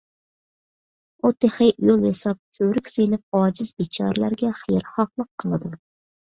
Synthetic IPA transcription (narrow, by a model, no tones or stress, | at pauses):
ut̪ʰeχɪʔjulˠjesɑp̚tʰøɾykʲsejnɪp̚ɑːd͡ʒɪzbit͡ʃʰɑ̰ːɾlæɾɡʲɛχijɾχɑqlˠəqʰːəlˠɨd̪u